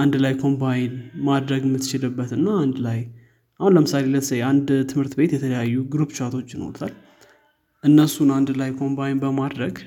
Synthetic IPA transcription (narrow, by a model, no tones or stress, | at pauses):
ʔand̪lajkʰo̞mbajɪnmad̪ɾəɡɨmːɨt̪ːt͡ʃɪlɨbːət̪ɨnːaːnd̪laj | ʔahunləmɨsaleləsəjand̪t̪ʰɨmhɨɾt̪ʰɨbe̞t̪jɛt̪ʰələjajːuɡɾupt͡ʃat̪ʰo̞t͡ʃːjɪno̰ɾət̪ʰal | ʔɨnːəsunand̪lajkʰo̞mbajɪnbəmad̪ɾəɡ